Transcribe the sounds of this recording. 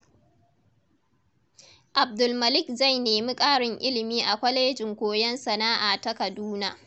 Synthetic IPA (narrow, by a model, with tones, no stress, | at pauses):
ʔa˨b̚dʊ˨lmɐ˨lɪ˦kza˦˨jneː˨mi˦kʼaː˦ɽɪ˨ŋʔɪ˦lɪ˨miː˦ʔa˨kʷɐ˦leː˦d͡ʒɪ˨ŋkʷoː˨jɐ˦nsɐ˨naː˦ʔa˨tɐ˦kɐ˨duː˦naː˨